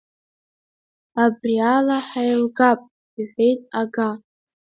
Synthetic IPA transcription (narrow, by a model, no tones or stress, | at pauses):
abrialaħajlɡapʼ | iħʷe̞jtʼaɡa